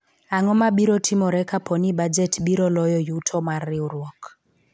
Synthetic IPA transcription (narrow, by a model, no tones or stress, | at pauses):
aŋɔmaɓiɾɔtʰimɔɾɛkapʰɔnibad͡ʒɛtɓiɾɔlɔjɔjutʰɔmariuɾwɔk